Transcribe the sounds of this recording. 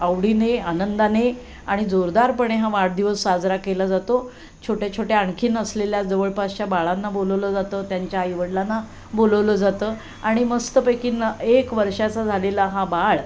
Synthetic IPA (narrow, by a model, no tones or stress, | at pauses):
əwɽineanənd̪ane | aɽ̃id͡zoɾd̪aɾpəɳ̃eɦaʋaɽd̪iʋəsːad͡zɾakelad͡zat̪o | t͡ɕʰoʈat͡ɕʰoʈaaɳkʰiːnəsleljad͡zəʋəɭpast͡ɕjabaɭanːaboləʋləd͡zat̪əːt̪jaɲt͡ɕjajʋəɽlanːa | boləʋləd͡zat̪əː | aɽ̃iməst̪əpəkiːnəekʋəɾʂat͡sad͡zʱalelaɦabaɭ